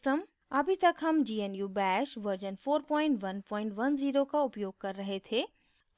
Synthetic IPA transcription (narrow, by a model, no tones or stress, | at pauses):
ʈəm | ɐbʱit̪ɐkʰɐmd͡ʑiːenjubɛːʃʋɐɾd͡ʑənfoːɾpɔ̃ːɪ̃ɳʈʋɐnpɔ̃ːɪ̃ɳʈʋɐnziːɾokʰãʊpjoːɡ̚kɐɾɾɐɦet̪ʰeː